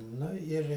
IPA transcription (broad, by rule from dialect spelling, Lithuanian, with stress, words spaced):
ˈnʊ ɪrʲ